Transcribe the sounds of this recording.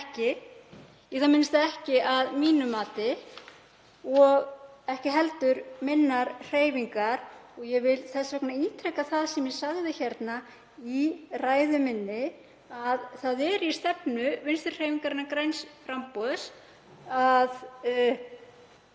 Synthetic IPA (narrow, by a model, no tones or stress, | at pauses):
ɛhcɪ | jɛθamɪnst̪aðɛhcɪaðmiːnʏmaːt̪ɪ | ɔɣɛhcɪɦɛlt̪ʏɾmɪnːaɾr̥eːjviŋkaɾɔɣjɛvɪlθɛsːvɛknaiːt̪ʰɾɛkaθaðsɛmjɛsaɣðɪçɛɾt̪na | iraːjðʏmɪnːɪ | aðθaðɛɾist̪ɛpnʏvɪnst̪ʏr̥r̥eːjviŋkaɾɪnːakɾejnsfɾampɔðs | að